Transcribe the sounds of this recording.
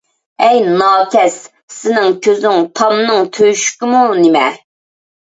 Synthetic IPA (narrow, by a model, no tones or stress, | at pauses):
ɛjnɑːkʲʰɛs | sɪnɪŋkʲʰøzyŋt̪ʰɑmnɨŋt̪ʰøʃy̥kʲɪmunɪmɛ